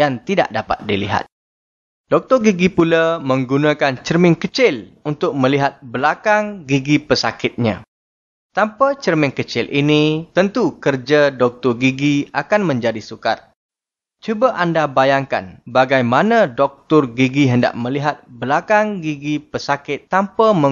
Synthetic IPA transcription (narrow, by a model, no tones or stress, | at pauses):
jant̪ida̰ʔdapa̰t̪̚dilḭɦa̰t̪̚ | d̥ɔk̚t̪ɔrɡiɡipulamə̃ŋɡunãkant͡ʃərmɪ̃ŋkət͡ʃɪlunt̪ʊk̚mə̃liɦat̪̚bəlakaŋɡiɡipəsa̰kɪt̪̚ɲã̰ | t̪ampat͡ʃərmɪŋkət͡ʃɪlʔinit̪ənt̪ukərd͡ʒadɔk̚t̪ɔrɡiɡiakanmə̃ɲd͡ʒadisuka̰r | t͡ʃubaʔandabajaŋka̰nbaɡajmanãdɔk̚t̪ʊrɡiɡiɦənda̰ʔmə̃liɦat̪̚bəlakaŋɡiɡipəsakɪt̪ːampamə̃